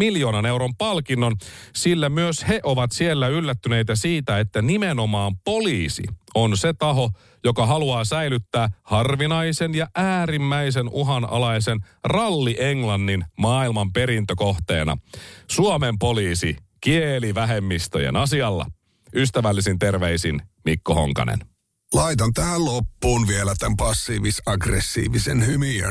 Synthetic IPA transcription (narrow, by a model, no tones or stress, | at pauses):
miljo̞ːnɑne̞wɾo̞mpɑlkinːonsilːæmyøshe̞ʔoʋɑt̪sielːæylːæt̪ːyne̞jt̪æsiːt̪æet̪ːænimeno̞mɑːmpo̞liːsḭo̞nset̪ɑɦo̞ | jo̞kɑɦɑluɑːsæjlyt̪ːæːhɑrʋinɑjsenjɑʔæːɾimːæis̬e̞nuɦɑnɑ̰lɑjse̞n | rɑlːiʔeŋlɑnːinmɑːilmɑmpe̞ɾint̪øko̞ht̪e̞̰ːnɑ̰suɑme̞mpo̞liːsi | kieliʋæɦe̞mːist̪o̰jḛnɑsiɑlːɑ̰ | yst̪æʋælːisint̪e̞rʋeisinmikːoho̰ŋkɑ̰nḛn | lɑit̪ɑnt̪æhællopːuːnʋielæt̪æmpɑsːiːʋisɑɡresːḭːʋisenhymiø̰n